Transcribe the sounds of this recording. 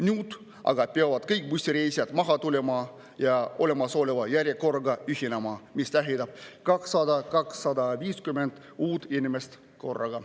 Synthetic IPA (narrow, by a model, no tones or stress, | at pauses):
nʲuːd̪̥ | ʔɑ̰ɡ̥ɑpeɑvɑd̪̥kɤjk̚ˑmusʲt̪iɾejsijɑd̪mɑɦɑt̪ule̞mɑ | jɑo̞le̞mɑsoːlevɑjæɾʲjeko̞rɡɑyhinemɑmist̪æɦid̪ɑb̥̚kɑksːɑd̪ɑkɑksːɑd̪ɑviːskymend̪̥ | uːd̪inʲimest̪ | ko̞̰rːɑ̰ɡ̥ɑ